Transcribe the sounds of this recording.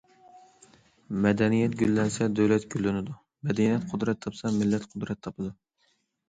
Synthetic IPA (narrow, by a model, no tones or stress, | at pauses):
mɛd̪ɛnijɛt̪ɡʲylːɛnsɛd̪øwlɛt̪ɡʲylːɪnɪd̪u | mɛd̪ɛnijɛt̪qʰʊd̪ɾɛt̪ʰːɑpsɑmɪlːɛt̪qʰʊd̪ɾɛt̪ʰːɑpʰɨd̪u